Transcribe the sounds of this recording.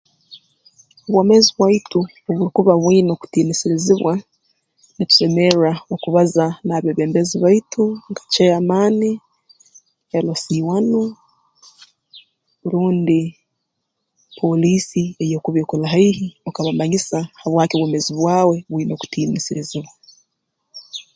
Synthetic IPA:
oβwoːmeziβwaitu | oβuɾikuβaβwiːno̞ku̥tiːnisiɾiziβwa | nitu̥se̞me̞raokuβazanaːβeːβeːmbeziβaitʰuŋɡḁt͡ʃeamaːni | elosiːwano | βuɾuːndi | pʰo̞liːsiejokuβokulaɦaihiokaβamaɲisahaβwaːkoβwomeziβwaːwe̞βwiːno̞ku̥tiːnisiɾiziβwa

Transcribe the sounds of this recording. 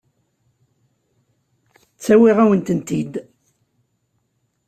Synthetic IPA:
t͡sːæwiʁæwənt̪ənt̪id̪

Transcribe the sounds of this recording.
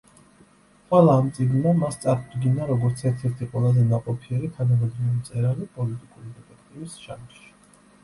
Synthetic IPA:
χʼwɛlˠaːmt̪sʼiɡnːamast̪sʼaɾd̪ɡinaɾɔɡɔɾt̪sʰɛɾt̪ʰɛɾt̪ʰiqʼwɛlˠazɛnaqʼɔpʰiɛɾit̪ʰanamɛd̪ɾɛit̪sʼɛɾalipʼɔlit̪ʼikʼuɾid̪ɛpɛkʰt̪ʼibisʃanʃi̥

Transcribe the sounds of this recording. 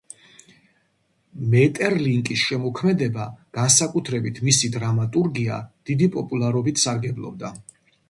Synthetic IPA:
mɛt̪ʼɛɾliŋkʼisʃɛmɔkʰmɛd̪ɛbaɡ̥ansakʼut̪ʰɾɛbit̪ʰmisid̪ɾamat̪ʼuɾɡia̰d̪̥id̪ipʼɔpʼulˠaɾɔbit̪ʰsaɾɡɛblˠɔ̰b̚d̪a

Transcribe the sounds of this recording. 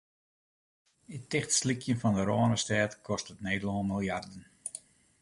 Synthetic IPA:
ətɪχtslikʰjənfɔndəɾoːənəstɛːtkʰɔstətneːdəloːmilˠjardən

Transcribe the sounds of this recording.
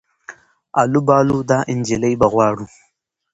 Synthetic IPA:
ʔalubaːlud̪aːʔɪnd͡ʒɪlɐjbɐɣwʷaːɽu

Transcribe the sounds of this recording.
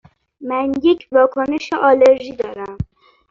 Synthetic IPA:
mænjecʰvɒːkʰoneʃeʔɒːleɾʒiːd̪ɒːɾæm

